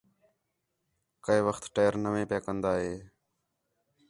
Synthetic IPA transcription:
kəiːʋəxt̪ʈeːəɾnəʋẽːpjaːkənd̪aːɦeː

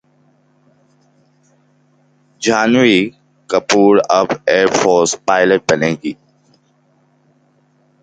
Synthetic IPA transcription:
d͡ʒaːnʋiː | kəpuːɾəbeːɾfʰoːɾspaːɪləʈ̚bənẽːɡiː

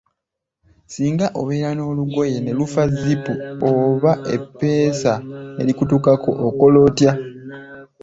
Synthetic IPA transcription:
siːŋɡaʔo̞βe̞ːɾano̞ːluɡo̞je̞ne̞lufazipuoβaʔe̞̰pːe̞ːsae̞̰likutukako̞̰ʔoko̞lo̞ːtja

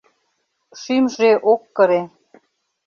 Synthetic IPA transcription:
ʃymʒeʔokːə̆ɾe

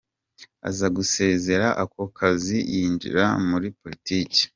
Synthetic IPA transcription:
a̰zaɡuse̞ːze̞ɾaʔakokʰazijiːnd͡ʒḭɾamuɾipo̞litiːce̥

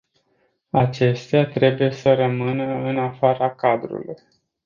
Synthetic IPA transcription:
at͡ʃe̞st̪eat̪ɾe̞buje̞səɾəmɨnəɨnafaɾakad̪ɾṵluj

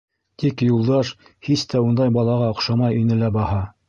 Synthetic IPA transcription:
t̪ikjulˠd̪ɑʃ | hist̪æund̪ɑjbɑlˠɑʁɑŏqʃɑmɑjinɘlæbɑhɑ

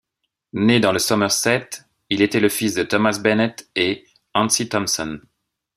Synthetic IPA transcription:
ned̪ɑ̃ləsɔmɛʁsɛt̪ | ilet̪ɛləfisd̪ət̪ɔmasbɛnɛt̪e | ɑ̃nsit̪ɔmsɔn

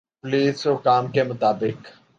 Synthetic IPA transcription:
pliːsʊkaːmkemʊt̪aːbɪk

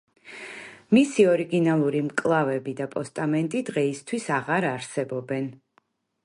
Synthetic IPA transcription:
misiɔɾiɡinalˠuɾimkʼlˠavɛbid̪apʼɔst̪ʼamɛnt̪ʼid̪ʁɛist̪ʰwisaʁaɾaɾsɛbɔbɛn

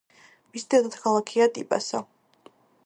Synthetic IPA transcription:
misd̪ɛd̪at̪kʰalˠakʰiat̪ʼḭpʼa̰sa

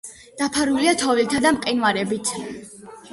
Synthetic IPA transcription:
d̪̥apʰaɾuliat̪ʰɔvilt̪ʰad̪amqʼinwaɾɛbit̪ʰ

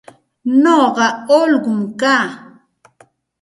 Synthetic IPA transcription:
noɢɑolɢʊmkaː

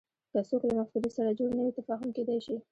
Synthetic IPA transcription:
kəsoklamafud̪isaɾad͡ʒoɽnəwit̪afɑɦʊmked̪ajʃi

